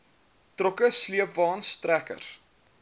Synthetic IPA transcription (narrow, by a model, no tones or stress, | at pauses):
trɔkəsliəpvɑːnstrækə̰rs